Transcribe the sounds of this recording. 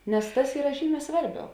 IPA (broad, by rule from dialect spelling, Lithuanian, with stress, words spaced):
nʲɛs ˈtɐs ˈiːrɐ ˈʒʲiːˌmʲɛː ˈsʋɐrʲˌbʲɛʊ